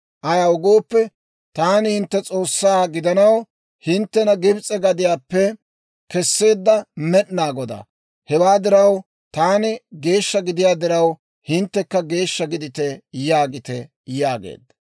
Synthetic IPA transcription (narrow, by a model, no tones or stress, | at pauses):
ʔɐjawʊɡoːpːɛ | t̪aːnɪhɪnt̪ːɛt͡sʼo̞ːsːaːɡɪd̪ɐnɐw | hɪnt̪ːɛnɐɡɪbt͡sʼɛɡɐd̪ɪjaːpːɛ | kɛsːe̞ːd̪ːɐmɛʔnaːɡɔd̪ɐ̰ | hɛwaːd̪ɪɾɐw | t̪aːnɪɡe̞ːʃːɐɡɪd̪ɪjaːd̪ɪɾɐw | hɪnt̪ːɛkːɐɡe̞ːʃːɐɡɪd̪ɪt̪ɛjaːɡɪt̪ɛ | jaːɡḛːd̪ːɐ̥